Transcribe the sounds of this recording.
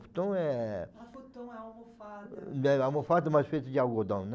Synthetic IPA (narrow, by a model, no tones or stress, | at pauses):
pu̥t̪ɐ̃w̃ɛ | t̪ | ɛawmõfat̪̬ɛmajzfejt̪ʊd͡ʒɪawɡod̪ɐ̃w̃n